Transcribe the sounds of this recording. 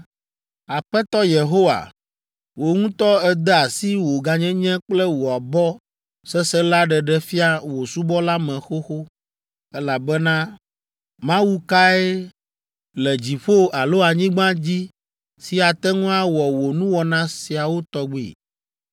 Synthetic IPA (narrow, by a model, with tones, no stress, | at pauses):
a˨ɸɛ˦t̪ɔ˦je˨ɦo˦wa̰˨ | wo˨ŋũ˦t̪ɔ˦ɛ˦d̪ɛ˦a˨si˦wo˨ɡa˨ɲɛ̃˦ɲɛ̃˦k͡plɛ˦wo˨a˨bɔ˦ | sɛ˦sɛ˦la˦ɖɛ˨ɖɛ˦˨fi˦a˦wo˨su˦bɔ˦la˦mɛ̃˨xo˦xo˦ | ɛ˦la˨bɛ˦nã˦ | mã˦wu˦ka˦ɛ˦ | lɛ˨d͡ʑi˨ɸo˦a˨lo˦a˨ɲĩ˦ɡ͡bã˦d͡ʑi˦ | si˨a˨t̪ɛ˦ŋũ˦a˦wɔ˨wo˨nũ˦wɔ˨nã˦si˨a˨wo˦t̪ɔ˦ɡ͡bḭ˨